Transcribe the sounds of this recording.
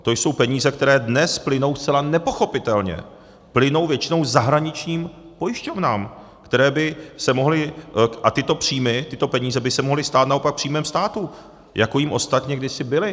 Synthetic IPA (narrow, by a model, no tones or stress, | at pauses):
t̪o̞jso̞wpɛɲiːzɛk̚t̪ɛɾɛːdnɛsplɪno̞wst͡sɛlanɛpo̞xo̞pɪt̪ɛlɲɛ̰ | plɪno̞wvjɛt͡ʃɪno̞wzaɦɾaɲɪt͡ʃɲiːm | po̞jɪʃco̞vnaːm | kt̪ɛɾɛːbɪsɛmo̞ɦlɪʔat̪ɪt̪o̞pr̝̥iːmɪt̪ɪt̪o̞pɛɲiːzɛbɪsɛmoɦlɪst̪aːt̪naopak̚pr̥iːmɛːmst̪aːt̪u | jakojimʔo̞st̪at̪ɲɛɡdɪsɪbɪlɪ